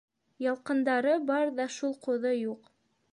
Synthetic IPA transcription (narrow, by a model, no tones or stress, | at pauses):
jɑlˠqɤ̆nd̪ɑɾɤbɑɾðɑʃulˠqŏðɤjuq